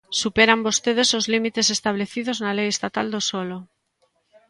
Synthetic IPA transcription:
supeɾambost̪eð̞esozlimit̪esest̪aβ̞leθiðoznalejest̪at̪ald̪osolo

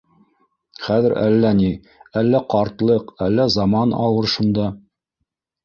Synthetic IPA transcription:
χæðɘɾæ̰lːæni | ælːæqɑɾt̪lˠɤqælːæzɑmɑnɑ̰lˠɤɾʃund̪ɑ

